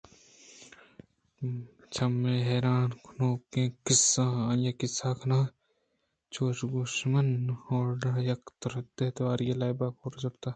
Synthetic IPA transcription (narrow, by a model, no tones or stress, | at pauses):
t͡ʃʰɐmːẽːɦeːɾaːnkʰnoːkẽːkɪsːãjakɪsaːkʰɐnaː | t͡ʃʰoːʃɡuʃmɐnoːɾɖɐɦjɐkt̪ɐɾd̪eɦt̪ʋaːɾjɐlaːjbakʰoːɾd͡ʒɐpt̪aː